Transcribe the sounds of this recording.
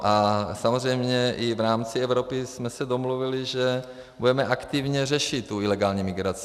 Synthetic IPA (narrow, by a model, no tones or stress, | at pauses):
ʔasamozrɛjmɲɛʔɪvɾaːmt͡siɛvɾopismɛsɛdomluviliʒɛ | budɛmɛʔakt̪ivɲɛr̝ɛʃit̪tːuilɛɡaːlɲimɪɡɾat͡s